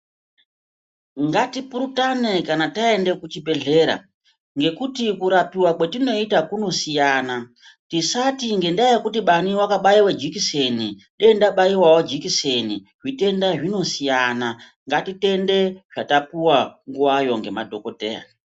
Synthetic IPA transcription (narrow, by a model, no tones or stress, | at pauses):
ŋɡatipuɾutane̞kanatae̞nde̞kut͡ʃibʱe̞ɮe̞ːɾa̰ | ŋɡe̞kutikuɾapiwakwe̞tino̞itakuno̞sijana | tisatiŋɡe̞ndaajekutiɓaniwakaɓaiwed͡ʒikise̞ni | ɗeindaɓaiwawod͡ʒikiseniʐite̞ndaʐino̞sijana | ŋɡatite̞nde̞ʐ̥atapuwaŋɡuwajo̞ŋɡe̞madʱo̞ko̞teːja̰